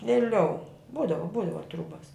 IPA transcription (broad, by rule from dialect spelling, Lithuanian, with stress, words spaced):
ʋʲeːˈlʲɛʊ ˈbuːdɐʋoː ˈbuːdɐʋoː ˈtruːbɐs